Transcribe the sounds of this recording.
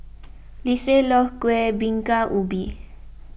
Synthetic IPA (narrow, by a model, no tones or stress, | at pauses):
liselɔhkwebiŋkaʔubi